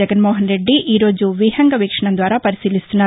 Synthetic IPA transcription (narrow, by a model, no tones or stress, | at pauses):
ɛɡɐnmoːɦɐnɾe̞ɖːiʔiːɾoːd͡ʒuʋiɦɐŋɡɐʋiːkʂɐɳɐnd̪ʋaːɾaːpɐɾisiːlist̪unːaː